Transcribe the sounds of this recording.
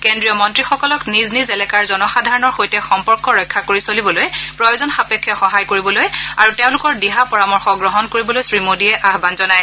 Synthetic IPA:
kendɹijɔmɔntɹixɔkɔlɔkniznizɛlɛkaɹzɔnɔxadʱaɹɔnɔɹxojtɛxɔmpɔɹkɔɹɔjkʰːakoɹisolibɔlojpɹɔjozɔnxapekʰːjɔxɔɦajkoɹibɔlojaɹuteʊ̃lʊkɔɹdiɦapɔɹamɔɹxɔɡɹɔɦɔnkoɹibɔlojsɹimodiɛʔaɦbanzɔnaj

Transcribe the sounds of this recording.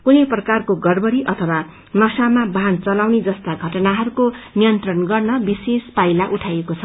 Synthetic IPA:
kuneprʌkarkoɡʌrbʌɾiʔʌt̪ʰʌwa | nʌsamabʱant͡sʌlawned͡zʌst̪aɡʱʌʈʌnaɦʌɾukonijʌnt̪rʌnɡʌrnʌbisespajlaʔuʈʰajekot͡sʰʌ

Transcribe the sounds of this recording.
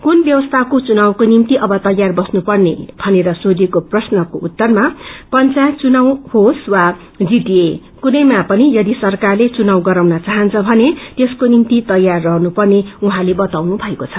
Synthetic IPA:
kunbjʌwʌst̪ʰakot͡sunawkonimt̪iʔʌbʌt̪ʌjarbʌsnupʌrnḛbʱʌneɾʌsod̪ikoprʌsnʌkoʔut̪ːʌrmapʌnt͡sat͡sunawhoswa | d͡ziʈie | kunʌjmapʌnijʌd̪isʌrkarlet͡sunawɡʌɾawnʌt͡saɦʌnt͡sʰʌbʱʌnet̪eskonimt̪it̪ʌjarːʌɦnupʌrneuɦãlebʌt̪awnubʱʌekot͡sʰʌ

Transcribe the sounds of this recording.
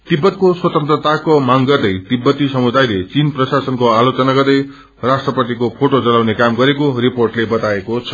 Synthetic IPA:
t̪ibːʌt̪̚koswʌt̪ʌnt̪rʌt̪akomaŋɡʌrd̪ʌjt̪ibːʌt̪isʌmud̪ajlet͡sinprʌsasʌnkoalot͡sʌnaɡʌrd̪ʌj | rasʈrʌpʌt̪ikopʰoʈod͡zʌlawnekamɡʌɾekoriporʈlebʌt̪aekot͡sʰʌ̥

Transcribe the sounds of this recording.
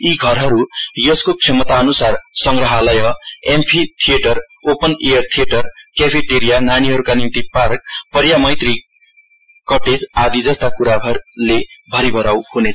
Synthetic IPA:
iɡʱʌɾɦʌɾujʌskokʂʰemʌt̪aʌnusarsʌŋɡrʌɦalʌjʌempʰit̪ʰieʈʌr | opʌnejʌrt̪ʰijeʈʌrkepʰiʈeɾijananiɦʌɾukanimt̪ipark̚pʌɾjamʌjt̪ri | kʌʈed͡zad̪id͡zʌst̪akuɾaɦʌlebʱʌɾibʱʌɾawhunet͡sʰʌ

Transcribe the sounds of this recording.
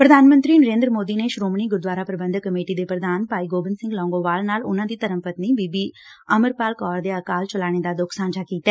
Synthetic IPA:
pɾəd̪ʱaːnmə̃nt̪ɾiːnəɾẽːnd̪ɾəmoːd̪iːneʃɾoːməɳ̃iːɡʊɾd̪ʋaːɾaːpɾəbə̃nd̪kəmeːʈid̪eːpɾəd̪ʱaːnpaːiɡoːbənsɪ̃ŋɡlɔ̃ːŋɡoʋaːlnaːlʊnãːd̪iːt̪əɾə̃mpət̪niːbiːbiː | əməɾpaːlkɔːɾd̪eəkaːlt͡ʃəlaːɽ̃ed̪aːd̪ʊkʰsãːɲd͡ʒaːkiːt̪aɛː

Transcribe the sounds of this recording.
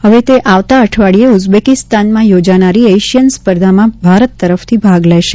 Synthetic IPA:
ɦəʋet̪eʔaʋt̪aəʈʰʋaɭieʊd͡ʒbekɪst̪anmãjod͡ʒanaɾieəjʃjənspəɾd̪ʱamãbʱaɾət̪ːəɾəft̪ʰibʱaɡlejʃe

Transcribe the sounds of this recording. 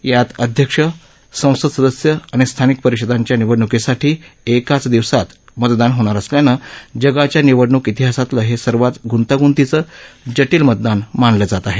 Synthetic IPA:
jat̪əd̪ʱjəkʂə | sə̃w̃səd̪səd̪əsjəaɽ̃ist̪ʰanik̚pəɾiɕəd̪aɲt͡ɕjaniʋəɽɳukesaʈʰiːekat͡sd̪iʋsat̪ | mət̪d̪anɦoɽ̃aɾəsljanəd͡ʑəɡat͡ɕjaniʋəɽɳukit̪iɦasat̪ləɦesəɾʋat̪ɡʱunt̪aɡunt̪it͡səd͡ʑəʈiːlmət̪̚d̪anmanləd͡zat̪aɦe

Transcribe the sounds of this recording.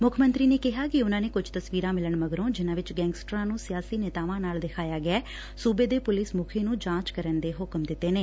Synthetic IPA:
mʊkʰmə̃nt̪ɾiːneːkɪɦaːkɪʊnãːneːkʊd͡ʒt̪əsʋiːɾãːmɪləɳməɡɾõːd͡ʒɪnãːʋɪt͡ʃɡɛ̃ːŋɡsʈɾãːnũːsɪjaːsiːneːt̪aːʋãːnaːld̪ɪkʰaːjaːɡɪɛː | suːbeːd̪eːpʊlɪsmʊkʰeːnũːd͡ʒãːt͡ʃkəɾənd̪eːɦʊkmd̪ɪt̪ːeːneː

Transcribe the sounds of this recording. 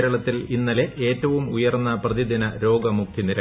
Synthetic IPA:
ɾɐɭɐt̪ːilinːɐle̞ʔe̞ːtːɐʋumujɐrnːɐprɐðid̪ʱinɐɾo̞ːɡɐmuk̚t̪ʰiniɾɐ

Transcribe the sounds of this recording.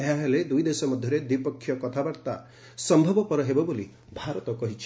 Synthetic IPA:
eɦaɦeled̪ujd̪esɔmɔd̪ʱjɔɾed̪wipɔkʰːjɔkɔt̪ʰabaɾt̪a | sɔmbʱɔbɔpɔɾɔɦebɔboli | bʱaɾɔt̪ɔkɔɦit͡ʃʰi̥

